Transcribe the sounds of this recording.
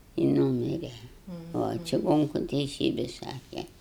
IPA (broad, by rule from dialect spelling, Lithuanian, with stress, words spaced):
ɪ ˈnuːmʲɪrʲɛ oː t͡ʃʲɪˈɡoːŋkʊ tʲɛɪˈsʲiːbʲɪ ˈsɑːkʲɛ